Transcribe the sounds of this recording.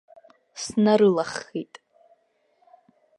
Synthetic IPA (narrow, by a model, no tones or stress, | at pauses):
snaɾɨlaχːitʼ